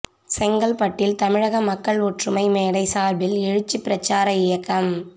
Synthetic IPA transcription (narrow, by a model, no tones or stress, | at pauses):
sɛŋɡɐlpɐʈːɪlt̪ɐmɪɻɐɣɐmɐkːɐɭɔʈrɯmɐɪmeːɽɐɪsaːɾbɪlɛɻɯt͡ʃːipːɪɾɐt͡ʃːaːɾɐɪjɐkːɐm